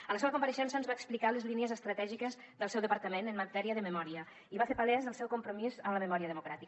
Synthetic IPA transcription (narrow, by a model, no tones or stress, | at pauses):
ələseβəkumpəɾəʃɛnsənzβaeksplikaləzliniəzəst̪ɾət̪ɛʒikəz | ðəlˠsɛwðəpəɾt̪əmenəmət̪ɛɾiəðəməmɔɾiə | iβafeɾpalɛzðəlˠsɛwkumpɾumizəmləməmɔɾiəðəmukɾat̪ik